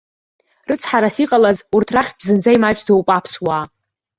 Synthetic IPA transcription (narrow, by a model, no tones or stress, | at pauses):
rɨt͡sʰħaɾasiqʼalazurtʰraχʲt̚ʰʼbzɨnd͡zajmat͡ʃʼdowpʼapʰswaː